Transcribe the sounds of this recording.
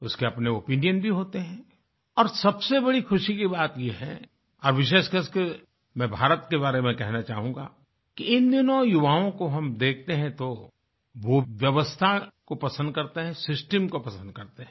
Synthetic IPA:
ʊskeɐpneopiːnijənbʱiɦoːt̪eɦɛ̃ː | ɔːɾsɐbsebɐɽixʊʃikibaːt̪jeɦɛ̰ | ɔːɾʋɪʃ̬eːʃkəske | mɛ̃ːbʱaːɾət̪kebaːɾemɛ̃kɛɦnat͡ʃaːɦũŋɡa̰ː | kiɪnd̪ɪnõɔjʊʋaːõkoɦɐmd̪eːk̚ʰt̪eɦɛ̃t̪o | ʋoʋjɐʋəst̪ʰakopɐsə̃nd̪̚kɐɾt̪eɦɛ̃sɪsʈəmkopɐsə̃nd̪̚kɐɾt̪eɦɛ̃

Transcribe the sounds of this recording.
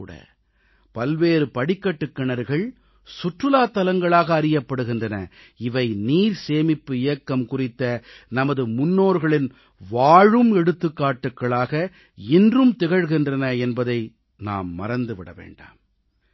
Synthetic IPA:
ɽɐ̰ | pɐlʋeːɾɯpɐɽɪkːɐʈːɯkːɐɳɐɾɣɐɭ | sʊʈrɯlaːt̪ːɐlɐŋɡɐɭaːɣɐːɾɪjɐpːɐɽɯɣɪndrɐnɐ̰ | ɪʋɐɪniːɾseːmɪpːɯɪjɐkːɐmkʊrɪt̪ːɐ | nɐmɐðɯmʊnːoːɾɣɐɭɪn | ʋaːɻɯmɛɽɯt̪ːɯkːaːʈːɯkːɐɭaːɣɐ | ɪndrɯmt̪ɛɣɐɻɣɪndrɐnɐɛnbɐðɐɪ | na̰ːmːɐ̰ɾɐnd̪ɯʋɪɽɐ̰ʋḛːɳɖa̰ːm

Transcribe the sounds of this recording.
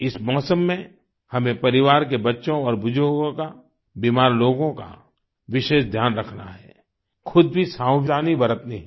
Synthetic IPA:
ɪsmɔːsəmːẽ | hɐmẽpɐɾɪʋaːɾkebɐtːʃõɔːɾbʊd͡ʒʱoːɡõka | biːmaːɾloːɡõka̰ | ʋɪʃeːʃd̪ʱjaːnɾɐkʰna̰ɦɛ̰ː | xʰʊd̪̚bʱisaːb̪aːnibɐɾət̪niɦɛ

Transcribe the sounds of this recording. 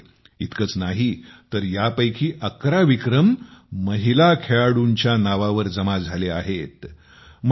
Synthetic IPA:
it̪kət͡snaɦit̪əɾjapəjkʰiːʔəkɾaʋikɾəmːəɦilakʰeɭaɽuɲt͡ɕjanaʋaʋəɾd͡zəmad͡zʱaleaɦet̪ | m

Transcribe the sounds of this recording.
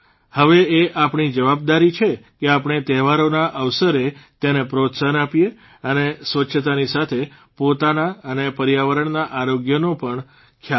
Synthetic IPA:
həʋeeʔapɳ̃id͡ʒəʋab̚d̪aɾit͡ʃʰekeapɳ̃et̪ɛɦʋaɾonaʔəʋsəɾet̪janepɾot̪səənapije | ənesʋəʃʰət̪anisat̪ʰe | pot̪anaənepəɾjaʋəɾəɳnaʔaɾoɡjənopəɳ | kʰja

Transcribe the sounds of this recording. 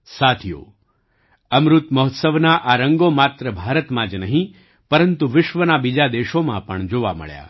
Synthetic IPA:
sat̪ʰijo̰ | əmɾut̪məɦɔt̪səʋnaʔaɾəŋɡomat̪ɾəbʱaɾət̪mãd͡ʒnəɦĩ | pəɾənt̪uʋɪʃʋənabid͡ʒad̪eʃomãpəɳd͡ʒoʋa̰mə̰ɭja̰

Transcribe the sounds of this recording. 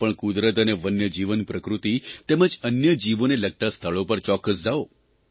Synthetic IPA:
pəɳkud̪ɾət̪əneʋənjəd͡ʒiʋənpɾəkɾut̪it̪ɛməd͡ʒənjəd͡ʒiʋoneləɡ̚t̪ast̪ʰəɭopəɾt͡ʃɔkːəsd͡ʒao

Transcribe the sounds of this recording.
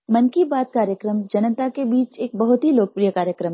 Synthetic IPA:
mɐnkibaːt̪̚kaːɾjəkɾəmd͡ʒɐnət̪akebiːt͡ʃeːk̚bɐɦʊt̪ɦiloːk̚pɾijəkaːɾjəkɾəm

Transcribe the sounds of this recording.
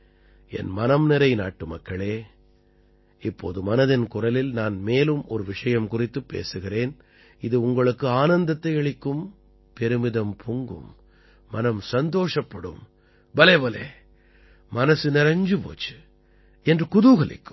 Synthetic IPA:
ɛ̰nmɐnɐmnɪɾɐɪna̰ːʈːɯmɐkːɐɭeː | ɪpːo̰ːðɯmɐnɐðɪnkʊrɐlɪlnaːnmeːlɯmɔɾɯʋɪʂɐjɐmkʊrɪt̪ːɯpːḛːsɯɣɪreːn | ɪðɯʊŋɡɐɭɯkːɯaːnɐnd̪ɐt̪ːɐɪɛɭɪkːɯm | pɛɾɯmɪðɐmpʰʊŋɡɯ̰mː | ɐnɐmsɐnd̪oːʂɐpːɐɽɯ̰m | bɐlɐʋɐleː | mɐnɐsɯnɪɾɐɲd͡ʒɯpo̰ːt͡ʃːɯ̥ | ɛndrɯkʊðɯɣɐɭɪ̰kːɯ̥m

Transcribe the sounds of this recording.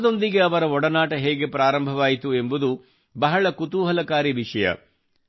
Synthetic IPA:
d̪o̞nd̪iɡe̞ɐʋɐɾɐɔɽɐnaːʈɐɦeːɡe̞pɾaːɾɐmbʱɐʋaːjit̪ue̞mbud̪u | bɐɦɐɭɐkut̪uːɦɐlɐkaːɾiʋiʂɐjɐ̰

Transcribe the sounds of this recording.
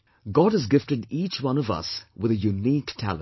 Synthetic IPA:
ɡɑd̚ɨzɡɪftɨɖiːt͡ʃwʌ̃nʌvʌ̰swɨðɨjuniktʰæ̰lˠə̰̃n

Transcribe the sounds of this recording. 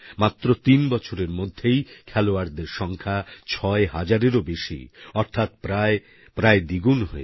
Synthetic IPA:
mat̪ːɾot̪inbɔt͡ɕʰoɾeɾmod̪ʱːejkʰɛloaɾd̪eɾʃɔŋkʰat͡ɕʰɔeɦad͡ʑaɾeɾobeʃḭɔɾt̪ʰat̪pɾae | pɾaed̪iɡunɦoe

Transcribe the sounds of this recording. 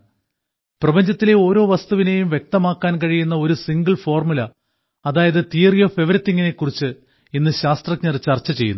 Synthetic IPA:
prɐbɐɲd͡ʑɐt̪ːile̞o̞ːɾo̞ːʋɐst̪uʋine̞jumʋje̞k̚t̪ɐmaːkːaːnkɐɻijunːɐo̞ɾusiŋɡɐɭfo̞ːrmulɐ | ɐðaːjɐðɨt̪iːrjofe̞ʋɐɾit̪ːiŋːɐne̞kːurit͡ɕːɨ | inːɨɕaːst̪rɐkɲɐrit͡ɕːɐrt͡ɕːɐt͡ɕe̞jːunː

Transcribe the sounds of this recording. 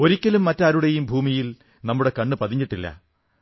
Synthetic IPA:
o̞ɾikʲːɐlumːɐtːaːɾuɽejumbʱuːmijil | nɐmːuɽe̞kɐɳːɨpɐðʱiɲːiʈːilːɐ̰

